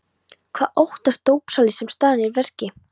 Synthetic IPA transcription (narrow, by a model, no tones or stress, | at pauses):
kʰv̥aːʔowht̪ast̪oːwpsalɪsɛmst̪aːðanɛɾvɛr̥cɪ